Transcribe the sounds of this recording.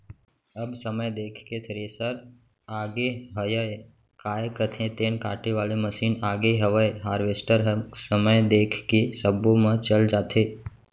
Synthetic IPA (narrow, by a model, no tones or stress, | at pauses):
əbsəməjd̪eːkʰket̪ʰəɾesəɾ | aːɡeɦəjəj | kaːjkət̪ʰẽt̪eːnkaːʈeʋaːleməʃiːnaːɡeɦəʋəjɦaːɾʋeːsʈəɾɦsəməjd̪eːkʰkesəbõmə̃t͡ʃəld͡ʒaːt̪ʰeː